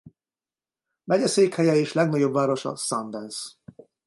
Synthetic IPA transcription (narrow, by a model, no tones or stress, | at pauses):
mɛɟɛseːkhɛjɛeːʃlɛɡnɒɟo̞bvaːɾo̞ʃɒ̰sɒnd̪ɛns